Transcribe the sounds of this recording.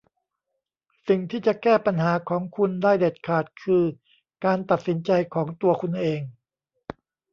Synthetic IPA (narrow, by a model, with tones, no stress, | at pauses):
si˨˩ŋt̪ʰiː˥˩t͡ɕa˨˩kɛː˥˩pa˧nɦaː˩˦kʰɔː˩˦ŋkʰu˧ndaː˥˩jde˨˩t̪̚kʰaː˨˩t̪̚kʰɯː˧ | kaː˧nt̪a˨˩t̪̚si˩˦nt͡ɕa˧jkʰɔː˩˦ŋt̪u˧ɐkʰu˧nʔeː˧ŋ